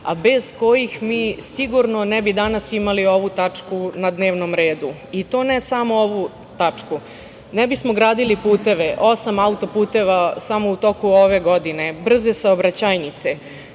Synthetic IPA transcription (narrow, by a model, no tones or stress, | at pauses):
a̰be̞z̥ko̞jixmiːsiɡuɾnonɛbid̪anasimalio̞ʋut̪at͡ʂkunad̪neːʋnomɾe̞ːd̪u | it̪o̞ːnesamooʋu | t̪at͡ʂku | nɛbismoɡɾaːd̪ilipuːt̪e̞ʋeʔo̞samaut̪opuːt̪e̞ʋasamout̪o̞kuoʋe̞ɡod̪ine̞br̩zesaobɾat͡ɕaːjnit̪se